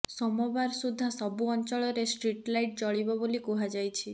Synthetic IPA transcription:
sɔmɔbaɾsud̪ʱːasɔbuɔnt͡ʃɔɭɔɾesʈɾiʈlajʈ̚d͡ʒɔɭibɔbolikuɦad͡ʒajt͡ʃʰi

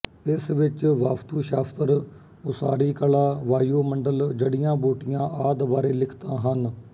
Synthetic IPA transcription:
ɪsʋɪt͡ʃʋaːft̪uːʃaːft̪əɾ | ʊsaːɾiːkəlaːʋaːijoːməɳɖəld͡ʒəɽɪjãːboːʈɪjãːʔaːd̪baːɾeːlɪkʰt̪ãːɦən

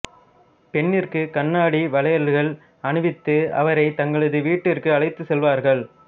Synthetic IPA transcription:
pɛɳːɪrkɯkɐɳːaːɽiʋɐlɐjɐlɣɐɭ | ɐɳɯʋɪt̪ːɯɐ̰ʋɐɾɐɪt̪ɐŋɡɐɭɐðɯʋiːʈːɪrkɯɐɭɐɪt̪ːɯsɛlʋaːɾɣɐɭ

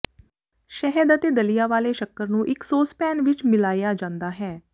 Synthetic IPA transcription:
ʃɛɦəd̪ət̪eːd̪əlijaːʋaːleːʃəkːəɾnũːʔɪksoːspɛːnʋɪt͡ʃmɪlaːjaːd͡ʒãːnd̪aːɦɛː

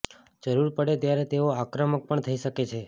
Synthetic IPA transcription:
d͡ʒəɾuɾpəɽet̪jaɾet̪eoakɾəmək̚pəɳt̪ʰəiʃəket͡ʃʰe

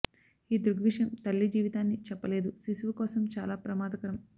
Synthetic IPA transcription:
iːd̪uɾɡʋiʂjɐmt̪ɐlːid͡ʒiːʋit̪aːnːit͡ʃɛpːɐle̞ːd̪usisuʋɐkɔːsɐmt͡ʃaːlaːpɾɐmaːd̪ɐkɐɾɐm

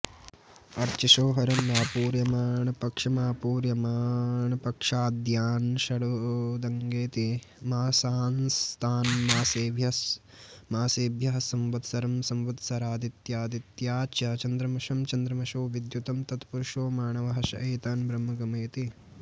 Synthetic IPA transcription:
ɐɾt͡ʃiʃoːɦɐɾɐmɾaːpuːɾjɐmaːɳɐpɐkʂɐmaːpuːɾjɐmaːɳɐpɐkʂaːd̪jaːnʃɐɽud̪ɐŋɡeːt̪i | maːsaːnst̪ʰaːnmaːseːbjɐs | maːseːbʱjɐɦɐsɐmʋɐt̪sɐɾɐmsɐmʋɐt̪sɐɾaːd̪it̪jaːd̪it̪jaːt͡ʃɐt͡ʃɐnd̪ɾɐmɐʃɐmt͡ʃɐnd̪ɾɐmɐʃoːʋid̪jut̪ɐmt̪ɐt̪puɾʂoːmaːɳɐʋɐɦɐʃɐ̰ʔɐːt̪aːnbɾɐmːɐɡɐmeːt̪i

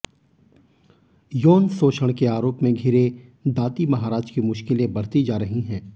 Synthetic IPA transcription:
joːnsoːʃəɽ̃keaːɾoːpmẽɡʱɪɾed̪aːt̪imɐɦaːɾaːd͡ʒkimʊʃkɪlẽbɐɽ̤t̪id͡ʒaːɾɐɦiɦɛ̃ː

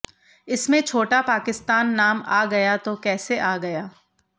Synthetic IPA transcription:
ɪsmẽt͡ʃʰoːʈapaːkɪst̪aːnːaːmaːɡɐjat̪okɛːseʔaːɡɐjaː

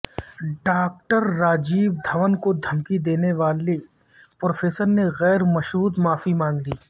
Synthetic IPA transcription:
ɖaːk̚ʈəɾːaːd͡ʒiːbd̪ʱɐʋənkod̪ʱɐmkid̪eːneʋaːle | pɾoːfʰeːsəɾneɣɛːɾmɐʃɾuːt̪maːfimãːŋɡliː

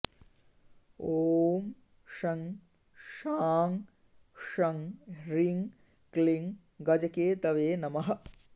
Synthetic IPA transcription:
oːm | ʃɐŋ | ʃaːŋ | ʃɐŋɾiŋ | kliŋ | ɡɐd͡ʒɐkeːt̪ɐʋeːnɐmɐɦɐ̆

